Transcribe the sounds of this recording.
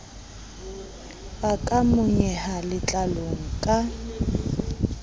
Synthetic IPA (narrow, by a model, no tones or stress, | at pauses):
bakʼamʊɲɛhalɪt͡ɬʼaloŋ̩kʼa